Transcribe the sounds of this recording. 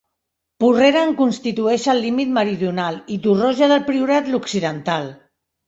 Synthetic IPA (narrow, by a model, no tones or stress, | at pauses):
pureɾaːŋkunst̪it̪uɛʃəlːimit̪məɾiðjunalit̪uroʒaðəlpɾiuɾat̪luksiðənt̪al